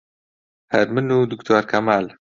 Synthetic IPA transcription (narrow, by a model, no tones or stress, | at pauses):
hɐɾmɨnud̪ukt̪ʰoːɾkʰɐmaːl